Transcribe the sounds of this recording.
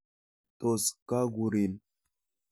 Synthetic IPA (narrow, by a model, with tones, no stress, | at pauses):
t̪o˨ska˦ɡu˨ɾi˨n